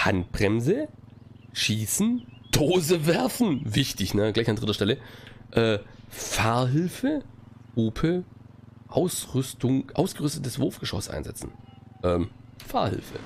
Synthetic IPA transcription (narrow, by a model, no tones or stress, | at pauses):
ha̰nt̚b̥ʁɛmzə | ʃiːsn̩d̥oːzəvɛɐfn̩vɪçtɪçnəɡ̥laɪçand̥ʁɪtɐʃtɛləʔɛːfaɐɦɪlfəuːpʰə | ʔaʊsʁʏstʊŋʔa̰ʊsɡ̥əʁʏstətəsv̥ʊɐfɡ̥əʃɔ̰sʔa̰ɪnzɛ̰t͡sn̩ʔɛːmfa̰ːɐhɪ̰lfə̰